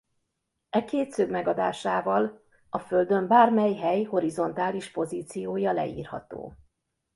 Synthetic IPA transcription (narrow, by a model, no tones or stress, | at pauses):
ɛkeːt̪søɡmɛɡɒd̪aːʃaːvɒl | ɒføld̪ø̞mbaːrmɛjɦɛjho̞ɾizo̞nt̪aːliʃpo̞ziːt̪sijoːjɒlɛ̰ḭːrhɒ̰t̪o̰ː